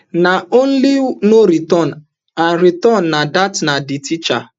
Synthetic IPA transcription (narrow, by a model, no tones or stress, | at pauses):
naon̩linoɾitɔn | anɾitɔnːadatnadɪtit͡ʃa̰